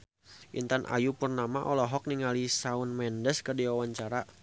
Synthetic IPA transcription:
ʔḭnt̪anʔa̰jupərnamaʔɔlɔɦɔk̚niŋalisaunmɛndəskərdiwawaɲt͡ʃaɾa

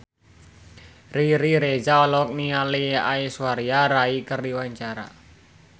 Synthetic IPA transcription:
riɾiɾed͡ʒaɔlɔk̚nialia̰iswaɾiaɾaikərdiwaɲt͡ʃaɾa̰

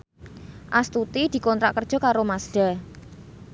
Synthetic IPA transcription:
ʔast̪ut̪id̪̥i̤kɔnt̪ɾaʔkər̥ʒ̥ɔ̤kaɾomasɖ̥a̤

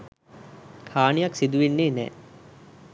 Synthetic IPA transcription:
kʰaːnijaksid̪uʋinːeːnɛ̰ː

